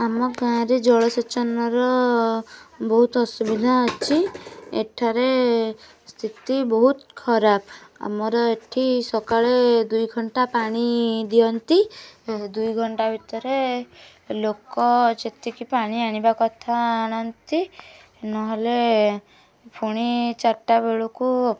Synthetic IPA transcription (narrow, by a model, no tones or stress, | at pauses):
amɔɡãɾed͡ʒɔɭɔsit͡ʃɔnɔɾɔ | bɔɦut̪ɔsubid̪ʱaːt͡ʃʰiḛʈʰaɾe | st̪ʰit̪ibɔɦut̪kʰɔɾapa̰mɔɾɔeʈʰisɔkaɭed̪ujɡʱɔɳʈapaɽ̃id̪iɔnt̪id̪ujɡʱɔɳʈabʱit̪ɔɾe | lokɔd͡ʒet̪ikipaɽ̃iaɽ̃ibakɔt̪ʰaːɽ̃ɔnt̪i | nɔɦele | pʰuɽ̃it͡ʃaɾʈabeɭuku